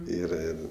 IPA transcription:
ˈiːrɐ ˈɪr

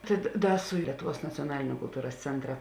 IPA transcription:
tɐɪ dɐ ˈdɐ sʊ ˈlʲiɛtʊˌʋuɔs nɐt͡sʲoːˈnɑːlʲɪnʲʊ kʊlˠˈtuːrɐs ˈt͡sʲɛntrɐ

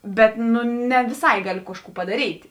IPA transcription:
ˈbʲɛt ˈnʊ nʲɛ ʋʲɪˈsɐɪ ˈɡɑːlʲʊ ˈkɑːʃˌkuː pɐdɐˈrʲiːtʲ

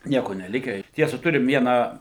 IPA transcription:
ˈnʲiɛkoː nʲɛˈlʲɪkʲæː ɪr ˈtʲiɛsɐ ˈtʊrʲɪm ˈʋʲiɛnɑː

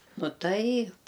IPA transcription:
ˈnʊ ˈtɐɪp

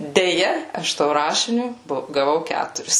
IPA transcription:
dʲɛˈjɛ ˈɐʃ toː ˈrɑːʃʲɪnʲʊ ˈboː ɡɐˈʋɐʊ ˈkʲætʊrʲɪs

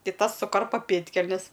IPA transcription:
ˈtɐɪ ˈtɐs sʊˈkɐrpɐ ˈpʲeːtʲkʲɛlʲnʲɛs

